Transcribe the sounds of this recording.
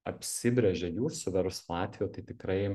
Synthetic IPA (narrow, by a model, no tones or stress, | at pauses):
ɐpʲsʲɪbʲɾʲɛʒʲɛjuːsʊʋʲɛɾʊslˠɑːt̪ʲʋʲijoːt̪ɐɪt̪ʲɪkɾɐɪ